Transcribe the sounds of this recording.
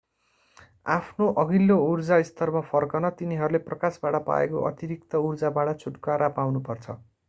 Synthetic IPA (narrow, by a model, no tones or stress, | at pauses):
apʰnoʔʌɡilːourd͡zaist̪ʌrmapʰʌrkʌnʌt̪iniɦʌɾuleprʌkasbaɽʌpa̰ḛkoʔʌ̰t̪iɾik̚t̪ʌurd͡zabaʈʌt͡sʰuʈkaɾʔapawnupʌrt͡sʰʌ